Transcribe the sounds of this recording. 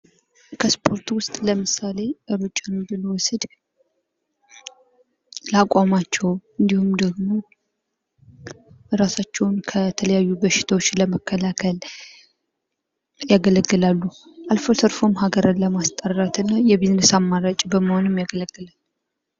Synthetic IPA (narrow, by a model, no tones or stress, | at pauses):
kʰəspʰo̞ɾt̪wʊst̪ʼləmɨsale̞ʔəɾot͡ʃʼːanbɨlwɔsɨd̪ | lakʼamat͡ʃːɛwɨnd̪ihumd̪əɡmo̞ | ɾasat͡ʃːɛwnkʰət̪ʰələjajːubəʃɪ̥t̪ʰawot͡ʃːləməkʰːəlakʰəl | jaɡələɡːɨlalːu | ʔalfosəɾfomɦaɡəɾɨnləmast̪ʼərːat̪ɨnːajɛβiznəsamːaɾat͡ʃʼbəməho̞nɨmjaɡələɡːɨlalː